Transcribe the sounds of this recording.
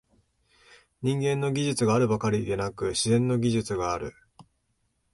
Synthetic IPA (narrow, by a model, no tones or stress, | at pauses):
ɲ̟ĩŋɡẽ̞nːo̞ɡʲiʑɨt͡sɨɡaːɾɯ̟bakaɾʲid̪e̞nakɯ̟ɕizẽ̞nːo̞ɡʲiʑɨt͡sɨɡaːɾɯ̟̰